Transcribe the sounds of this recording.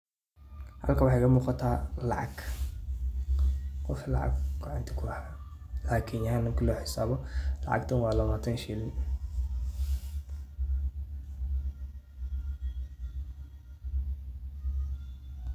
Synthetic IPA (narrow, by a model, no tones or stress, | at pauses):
hɐ̰lkʰɐwɑħɑjkɐmuːqɑt̪ʰaːlɑʕɑ̰ɡ | qɔflɑ̰ʕɑ̰ɡɡɑʕɑ̰nt̪ʰɐ̥kʰʊɑħaː | laːkʰɪnjɐhaːnɐŋkʰilɔːħɪsaːβɔlɑ̰ʕɑ̰ɡt̪ʰɐnwɑːlɐβaːt̪ʰɐnʃilɪn